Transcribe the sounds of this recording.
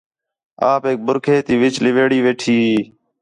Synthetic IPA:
aːpeːk̚bʊɾkʰeːt̪iːʋɪt͡ʃlɪʋeːɽiːʋeːʈʰiː

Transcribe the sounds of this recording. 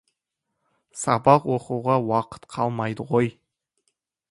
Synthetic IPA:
sɑbɑqwoquʁɑwɑqə̥t̪qʰɑlˠmɑjd̪əʁo̞j

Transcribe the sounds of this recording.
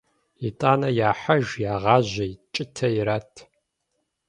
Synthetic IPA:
itʼaːnɐjaːħɐʒjaːʁɑːʑɐjt͡ʃʼɪtʰɐjiɾaːtʰ

